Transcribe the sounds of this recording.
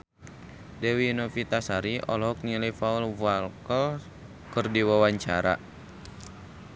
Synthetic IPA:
dɛwinɔfit̪asaɾiʔɔlɔɦɔk̚nilifaulvualkəl | kɨrdiwawaɲt͡ʃaɾa̰

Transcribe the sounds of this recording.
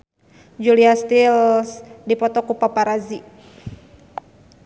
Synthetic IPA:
d͡ʒuliast̪ilsdipɔt̪ɔkupapaɾazi

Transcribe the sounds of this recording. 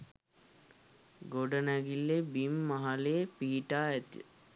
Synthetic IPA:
ɡoɖənæɡilːebimːaɦalepiiʈaːæt̪ḭ

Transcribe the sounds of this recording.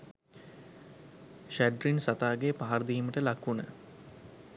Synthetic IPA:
ʃæɖɾinsat̪aːɡepaɦaɾd̪iːməʈəlakunə̰

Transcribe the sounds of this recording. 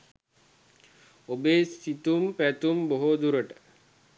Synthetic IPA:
obeːsit̪umpæt̪umboɦod̪uɾəʈə̥

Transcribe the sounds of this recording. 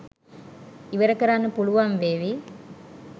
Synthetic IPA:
ɪʋɐɾɐkːɐɾaːnɯpʊɻʊʋaːmʋeːʋi

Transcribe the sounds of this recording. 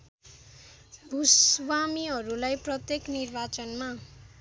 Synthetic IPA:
bʱuswamiɦʌɾulajprʌt̪jeknirbat͡sʌnma

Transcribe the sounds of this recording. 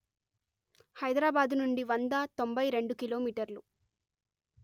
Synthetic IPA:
hɐjd̪ɾaːbaːd̪nuɳɖiʋɐnd̪ɐt̪o̞mbɐjɾe̞ɳɖukiloːmiːʈɐɾlu

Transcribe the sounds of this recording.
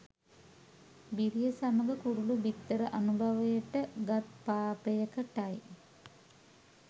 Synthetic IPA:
biɾijəsamɐɡəkuɾulubit̪ːəɾəʔɐnubʱɐʋɐjəʈəɡɐt̪paːpejəkəʈaj

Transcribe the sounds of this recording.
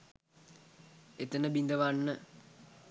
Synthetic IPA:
et̪ənəbind̪əʋanːə

